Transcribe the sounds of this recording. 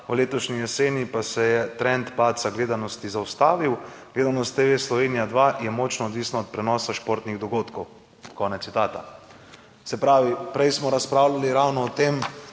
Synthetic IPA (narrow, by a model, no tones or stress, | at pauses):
wleːt̪ɔʃnijɛseːnipasɛjɛt̪ɾɛnt̪paːsaɡleːd̪anɔst̪izawst̪aːʋiw | ɡ̥leːd̪anɔst̪ːeːʋeslɔʋeːnijad̪ʋajɛmɔːt͡ʃnɔːd̪ʋiːsnɔːt̪̚pɾɛnɔːsaʃpoːɾt̪niɣd̪ɔɡoːt̪kɔw | kɔːnɛt̪sit̪aːt̪a̰ | sɛpɾaːʋipɾɛjsmɔɾaspɾaːwlaliɾawnɔːt̪em